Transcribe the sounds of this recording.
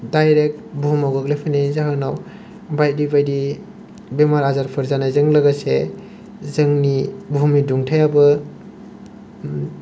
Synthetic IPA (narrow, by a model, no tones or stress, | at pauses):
dajɾek̚tbumawɡɯk̚lepʰanezaɦɯnaw | bajdibajdi | bemaɾazaɾpʰɯɾzanazɯŋlɐɡase | zɯŋnibʱumniduŋtʰajabɯ